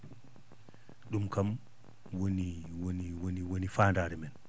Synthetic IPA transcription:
ɗumkam | woniwoniwoniwonifaːndaːɾɛmɛn

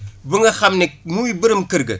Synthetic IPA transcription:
bɨŋɐxamnimuibəɾəmkɨɾɡə

